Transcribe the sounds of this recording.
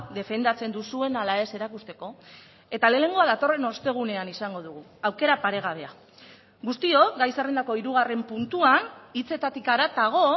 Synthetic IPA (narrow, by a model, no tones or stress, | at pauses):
ðe̞fe̞nd̪at͡se̞nd̪usue̞nalae̞se̞ɾakust̪e̞ko̞ | e̞t̪ale̞ne̞ŋɡoaðat̪o̞re̞no̞st̪e̞ɣ̞une̞anisaŋɡo̞ð̞uɣ̞u | awke̞ɾapaɾe̞ɣ̞aβ̞e̞a | ɣust̪io̞ɡajserend̪ako̞iɾuɣare̞mpunt̪uanit͡se̞t̪at̪ikaɾat̪aɣ̞o̞